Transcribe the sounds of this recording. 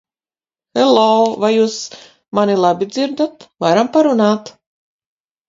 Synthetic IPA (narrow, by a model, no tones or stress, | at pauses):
hɛlɔːvajjuːs | manilˠabʲid̪ziɾd̪at̪vaɾampaɾunaːt̪